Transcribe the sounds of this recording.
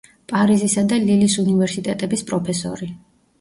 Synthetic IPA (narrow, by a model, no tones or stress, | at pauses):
pʼaɾizisad̪alilisunivɛɾsit̪ʼɛt̪ʼɛbispʼɾɔpʰɛsɔ̰ɾi